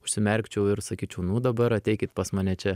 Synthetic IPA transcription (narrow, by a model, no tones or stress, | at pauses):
ʊʃʲsʲɪmʲɛɾʲkt͡ʃʲɛʊɪɾsɐkʲiːt͡ʃʲɛʊnʊd̪ɐbɐɾɐt̪ʲɛɪkʲɪt̪pɐsmɐnʲɛt͡ʃʲɛ